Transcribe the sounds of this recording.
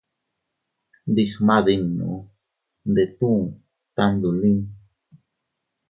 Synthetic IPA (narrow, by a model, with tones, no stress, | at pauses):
d̪ixmaði˧nːṵ | nd̪e˨t̪u˦ŋ | t̪and̪u˨li˦